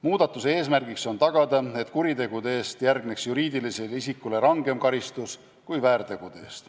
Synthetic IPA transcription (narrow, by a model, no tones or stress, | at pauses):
muːd̪̥ɑt̪ːˑuse̞ːs̬mærɡ̥ikso̞nt̪ɑɡ̥ɑd̪̥ɑe̞t̪kuɾit̪e̞ɡ̥ud̪ee̞ːst̪jærɡne̞ksjuɾiːd̪iliselisikːˑule̞ɾɑŋɡ̥e̞mkɑɾist̪us | kujvæːɾt̪e̞ɡ̥ud̪̥eeːst̪